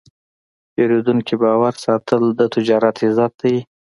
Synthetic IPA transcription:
peɾed̪unkibɑwaɾsɑt̪ʰəld̪ət̪ɪd͡ʒɑɾat̪ɪzɑt̪̚d̪aj

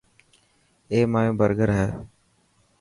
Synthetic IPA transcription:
eːmaːjõːbəɾɡəɾɦɛː

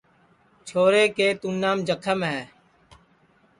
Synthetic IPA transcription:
t͡ʃʰoːɾeːkeːt̪unːaːmd͡ʒəkʰəmɦɛː

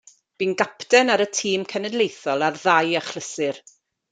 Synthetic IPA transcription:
b̥iːnɡapdɛnaɾətʰiːmkʰɛnɛdlejθɔlˠarðajaχlˠəsɨr

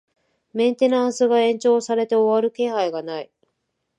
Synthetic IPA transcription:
mẽ̞nt̪e̞nãɰ̃sɨɡaẽ̞ɲ̟t͡ɕo̞ːsaɾe̞t̪e̞o̞βaɾɯ̟ke̞ːhaiɡanai

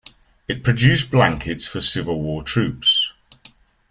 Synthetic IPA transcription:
ɪʔ̚pʰɹ̥əd͡ʒʉˑsb̥lãŋkʰɪtsfəsɪvəlˠwɔːtʰɹ̥ʉˑps

